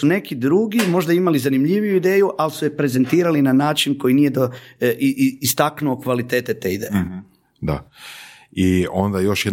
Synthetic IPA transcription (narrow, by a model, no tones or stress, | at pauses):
une̞kid̪ɾuɡimo̞ʒd̪aimalizanimʎiʋijuid̪e̞ːjuʔalisujepɾe̞ze̞nt̪iːɾalinanaːt͡ʃinko̞jinije̞d̪o | ist̪aknuokʋalit̪e̞ːt̪et̪eːid̪eːje | d̪a̰ | io̞nd̪ajo̞ʃjɛ